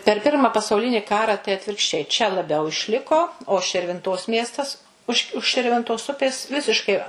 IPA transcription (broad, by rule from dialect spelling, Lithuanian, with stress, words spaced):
pʲɛr ˈpʲɪrmɐ pɐsɐʊˈlʲɪnʲiː ˈkɑːrɐ tɐɪ ɐtʲʋʲɪrkʃʲˈt͡ʃʲɛɪ t͡ʃʲɛ lˠɐˈbʲɛʊ ɪʃʲˈlʲɪkoː oː ʃʲɪrʲʋʲɪnˈtoːs ˈmʲiɛstɐs ˈʊʃ ʊʃ ʃʲɪrʲʋʲɪnˈtoːs ˈʊpʲeːs ˈʋʲɪsʲɪʃkɐɪ